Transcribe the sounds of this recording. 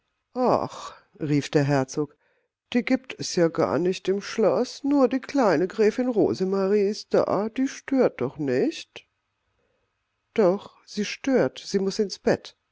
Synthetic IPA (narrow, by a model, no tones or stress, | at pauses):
ʔa̰χ | ʁiːfd̥eːɐɦɛɐt͡soːk | d̥iːɡiːp̚tʰɛsjaːɡa̰ːɐnɪçtɪmʃlɔsnuːɐdiːkl̥aɪnəɡʁɛːfɪnʁo̰ːzəmaʁiːɪst̚d̥a̰ːd̥iːʃtøːɐt̚d̥ɔχnɪçt | d̥ɔχ | z̥iːʃtøːɐtz̥iːmʊsɪnsb̥ɛt